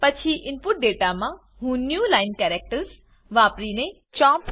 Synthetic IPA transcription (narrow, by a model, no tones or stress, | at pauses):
pɐt͡ɕʰiʔɪnpʊʈ̚ɖeːʈamã | ɦũnjuːlaːɪnkɛːɾek̚ʈəɾs | ʋaːpɾinẽ | t͡ʃãːp